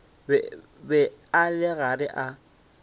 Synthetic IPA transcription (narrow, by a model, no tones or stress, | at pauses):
b | bɛalɪɣarɪʔa